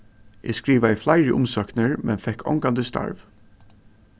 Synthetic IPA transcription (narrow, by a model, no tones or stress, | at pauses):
ʔɪ̰skɹiːʋaðɪflaɪɹəʔʊ̰msœknəɹmʔɛnfɛhkʰːɔ̰ŋkand̪əst̪a̰ɹv